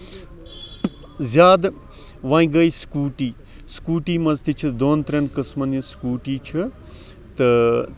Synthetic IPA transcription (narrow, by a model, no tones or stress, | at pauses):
zʲaːd̪ | ʋɐ̃ːĩɡɐiskuːʈiː | skuːʈiːmɐzt̪it͡ʃʰɨd̪oːnt̪ɾɐnkɨsmɐniskuːʈiːt͡ʃʰɨ | t̪ɨ